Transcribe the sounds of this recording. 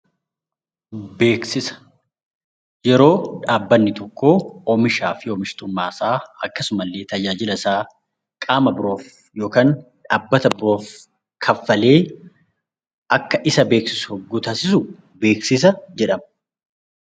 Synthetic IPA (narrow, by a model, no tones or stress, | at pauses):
be̞ːksɪsɐ̥ | jɛɾo̞ːᶑaːbːɐnːɪt̪ɔkːo̞ːomɪʃaːfɪɔːmɪʃt̪ʊmːaːsaːɐkːɐsʊmɐlːe̞ːt̪ɐd͡ʒaːd͡ʒɪlɐsaː | kʼaːmɐbɪɾo̞ːf | jo̞ːkaːnᶑaːbːɐt̪ɐbʊɾo̞ːf | kʰɐfːɐle̞ː | ʔɐkːɐʔɪsɐbe̞ːksɪsʊhɔɡːuːt̪ɐsɪsʊ | be̞ːksɪs̬ɐd͡ʒɛᶑɐmɐ